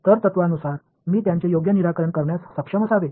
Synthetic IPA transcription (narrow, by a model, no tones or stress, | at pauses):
t̪əɾt̪ət̪ʋanusaɾ | miːt̪jãɲt͡ɕejoɡjəniɾakəɾəɳkəɾɳjasːəkʂəməsaʋe